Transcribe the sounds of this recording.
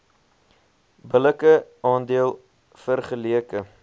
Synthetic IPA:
bələkəɑːndiəlˠ | fərχəliəkə

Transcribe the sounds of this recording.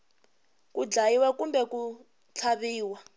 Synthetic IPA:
kud͡ɮajiwakumbɛku | t͡ɬʰaβiːwa

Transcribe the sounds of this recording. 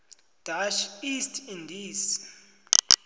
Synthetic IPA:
d̥aʃistʰindis

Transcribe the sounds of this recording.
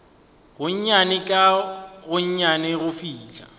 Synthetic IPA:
ɣʊɲ̩ɲanɪkʼaɣʊɲ̩ɲanɪɣʊfiːt͡ɬʼa

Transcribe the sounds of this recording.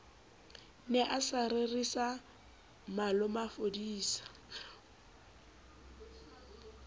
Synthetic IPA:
nɛʔasarerisa | malʊmafodiːsḁ

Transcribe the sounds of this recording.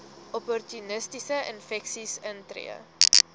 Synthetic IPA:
ʔɔpɔrtunəstisəʔə̰nfɛksisəntrḭə̰

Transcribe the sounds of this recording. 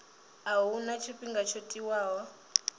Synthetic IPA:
aɦunat͡ʃʰoɸʼiŋɡat͡ʃʰotʼiwaːɦɔ

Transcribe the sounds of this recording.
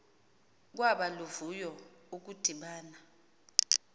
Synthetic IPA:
k̬waɓaluvujɔuk̬ud̥ʱiɓaːna

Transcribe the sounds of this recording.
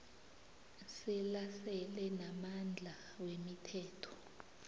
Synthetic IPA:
sɛlasɛlɛnamand͡ɮʱa | wemitʰɛːtʰɔ̥

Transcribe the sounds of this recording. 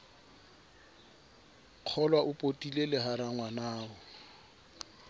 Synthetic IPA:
q͡χʰɔlwaʔʊpʼotʼilelɪɦaɾaŋwanaːʊ

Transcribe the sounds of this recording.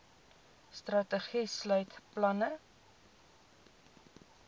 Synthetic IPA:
strɐtəχislœɥtplɐnə

